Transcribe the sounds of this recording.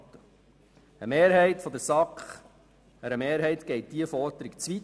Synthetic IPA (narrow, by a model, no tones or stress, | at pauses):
tə | əmeːɾɦɛɪtfɔd̪əsɑkχ | həɾəmeːɾɦɛɪt̪ɡ̥ɛɪt̚d̥̪iəfɔɾd̪əɾikt͡sʋi